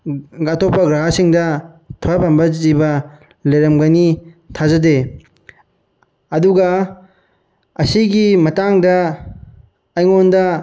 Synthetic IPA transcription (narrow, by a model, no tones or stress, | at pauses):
ɡatʰopːɐɡɾaɦasiŋdɐ | tʰojapambɐzibɐ | leɾɐmɡanitʰazɐde | ɐduɡɐ | ɐsiɡimɐtaŋdɐ | jŋondɐ